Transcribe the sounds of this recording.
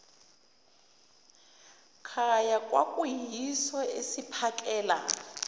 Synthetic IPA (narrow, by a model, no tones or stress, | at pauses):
kʰajakʼwa̰kʼuɦisɔesipʰakʼɛːla̰